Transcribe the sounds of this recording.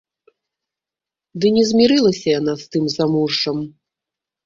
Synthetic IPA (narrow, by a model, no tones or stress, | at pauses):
d̪ɨnʲɛzʲmʲiɾɨlˠɐsʲɐjan̪ast̪ɨmzamurʂt͡ʂɐm